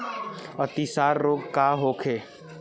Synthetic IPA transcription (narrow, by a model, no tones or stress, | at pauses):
ɐt̪isaːɾːoːɡkaːɦoːkʰeː